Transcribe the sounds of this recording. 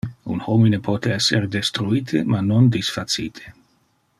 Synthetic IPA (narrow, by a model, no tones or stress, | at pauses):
ṵnhominepʰɔt̪eɛsːeɾd̪est̪ɾuiːt̪ʰemanond̪isfat̪siːt̪ʰe̥